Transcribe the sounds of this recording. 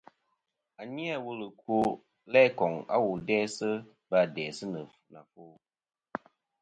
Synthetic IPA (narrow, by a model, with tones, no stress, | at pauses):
a˨ɲi˦a˦˨wu˦lɨ˨ko˦ | lɛ˦kɔ˨ŋa̰˦wu˨dɛː˦sɨ˦ | ba˨dɛː˨sɨ˦nɨ˨fna˨foː˦